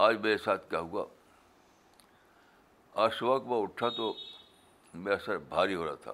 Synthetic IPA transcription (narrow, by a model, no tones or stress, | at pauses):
aːd͡ʒmeːɾesaːt̪ʰkaɦũɡa̰ː | aːsakmeʊʈʰːat̪o | mɛ̃ɐsəɾbʱaːɾiɦoːɾaːt̪ʰa̰